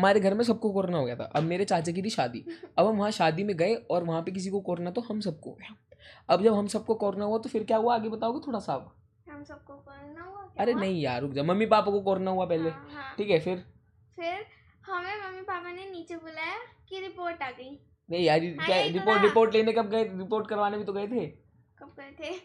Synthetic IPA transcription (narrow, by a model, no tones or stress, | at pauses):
ɦɐmaːɾeɡʱɐɾmẽs̬ɐb̚kokoːɾnaɦoːɡejat̪ʰa̰ʔɐbmeːɾet͡ʃaːt͡ʃek̬ibʱiʃaːd̪ḭɐbɦɐmʋɐɦãʃaːd̪imẽɡɐeɔːɾʋɐɦãpek̬ɪs̬ikokɔːɾnat̪oɦɐmsɐb̚ko̰ | ɐbd͡ʒɐbɦɐmsɐb̚kokɔːɾnaɦuat̪ofɪɾkjaːɦuaːɡebɐt̪aoːɡat̪ʰoːɽasab | ɦɐmsɐb̚kokɔːɾnaɦuaɐɾenɐɦĩjaːɾʊkd͡ʒaːmɐmːipaːpãkokɔːɾnaɦuapɛɦleʈʰiːkɦɛfɪɾ | fɪɾ | hɐmẽmɐmːipaːpaneniːt͡ʃebʊlajakiɾɪpoːɾʈaːɡɐiː | nɐɦĩaːd͡ʒikaɾɪpoːɾɪpoːɾʈleːnekɐb̚ɡɐeɾɪpoːɾʈ̚kɐɾʋaːnebʱit̪oɡɐet̪ʰeː | kɐb̚ɡɐet̪ʰe